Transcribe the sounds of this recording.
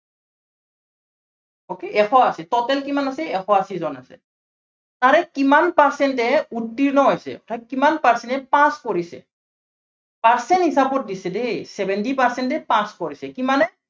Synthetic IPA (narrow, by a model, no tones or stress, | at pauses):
okeʔɛxʰɔasɛt̪ɔtɛlkimanasɛɛxʰɔasizɔna̰sɛ̰ | t̪aɾɛkimanpaɹsɛntɛutːiɾnɔɦɔjsɛ̰ɔ̰tʰakimanpaɹsɛnɛpãskɔɹisɛ̰ | paɹsɛnɦisabɔt̚disɛdesɛbɛntipaɾsɛntɛpãskɔɹisɛkimanɛ